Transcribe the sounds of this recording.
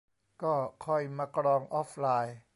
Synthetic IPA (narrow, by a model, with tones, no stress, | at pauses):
kɔː˥˩kʰɔ˧˥˩jmaː˧kɾɔː˧ŋʔɔː˦˥p̚ʰlaː˧j